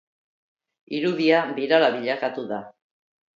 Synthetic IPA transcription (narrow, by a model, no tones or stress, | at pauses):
iɾuðiabiɾalaβiʎakat̪uða